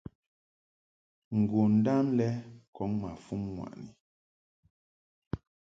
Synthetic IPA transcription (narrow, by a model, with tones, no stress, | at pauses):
ŋ̩˨ɡu˨n̩˨˦da˦mlɛ˦kʰɔ˨˦ŋma˨fu˦mŋwa̰˨ʔni˨